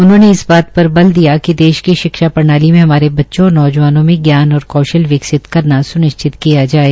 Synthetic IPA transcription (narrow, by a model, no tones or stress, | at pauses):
ʊnɦõːneɪsbaːt̪pɐɾbɐld̪ijakid̪eːʃkiʃɪkʃapɐɾnaːlimẽɦɐmaːɾebɐtːʃõɔːɾnɔːd͡ʒʋaːnõmẽɡjaːnɔːɾkɔːʃəlʋɪksɪt̪kɐɾnasʊnɪʃt͡ʃɪt̪kijad͡ʒaːeː